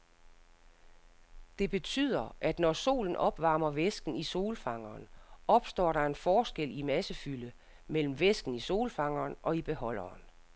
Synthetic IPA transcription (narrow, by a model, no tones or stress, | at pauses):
d̥e̝b̥e̝t͡sʰyð̰ˠɐʔæd̥nɒso̝̰ːln̩ʔɒ̽b̥ʋɑ̈ːmɐʋesɡ̥n̩iso̝ːlfɑ̈ŋɐːnʔɒ̽b̥sd̥ɒ̰ːɾɑ̈e̝nfɒːsɡ̥el̰imæsəfylə | mel̰m̩ʋesɡ̥n̩iso̝̰ːlfɑ̈ŋ̰ɐːnɒ̽ib̥e̝ɦɒ̽l̰ɐːn